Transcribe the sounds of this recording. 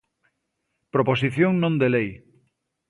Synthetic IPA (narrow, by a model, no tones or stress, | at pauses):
pɾoposiθjõŋnõnd̪elej